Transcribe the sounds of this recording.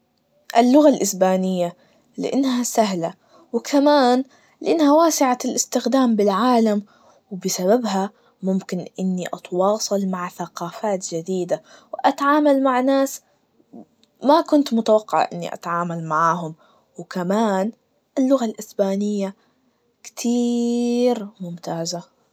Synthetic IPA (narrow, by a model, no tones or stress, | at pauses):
ʔɪlːʊɣalʔɪsbaːnɪjːa | lɪ̰ʔɪnːɦasaɦla | wkʰamaːn | lɪʔɪnːhawaːsɪʕalʔɪst̪ɪxd̪aːmbɪlʕaːlam | wbɪsaβabɦa | mʊmkɪnʔɪnːiʔɑt̪wɑːsˤɨlmaʕθaqɑːfaːt̪d͡ʒad̪iːd̪awʔat̪ʕaːmalmaʕnaːs | makʊnt̪mʊt̪awaqːɪ̰ʕʔɪ̰nːḭʔa̰t̪ʕaːmalmaʕaːɦʊm | wkamaːn | ʔɪlːʊɣalʔɪsbaːnɪjːa | kt̪ʰiːɾmʊmt̪aːza